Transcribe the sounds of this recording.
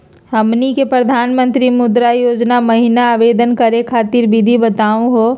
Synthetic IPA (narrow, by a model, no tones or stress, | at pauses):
həmnikepɾəd̪ʱaːnmə̃nt̪ɾimʊd̪ɾajoːd͡ʒnamɐɦinaːʋeːd̪ənkəɾekʰaːt̪iɾbʱɪd̪ʱibət̪aːũɦoː